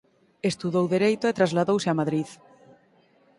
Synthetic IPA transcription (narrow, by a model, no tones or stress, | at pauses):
est̪uðowðeɾejt̪oet̪ɾazlaðowsɪamaðɾið